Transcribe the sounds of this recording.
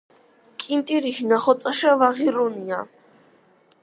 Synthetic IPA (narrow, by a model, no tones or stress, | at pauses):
kʼint̪ʼiɾiʃnaχɔt̪sʼaʃavaʁiɾunia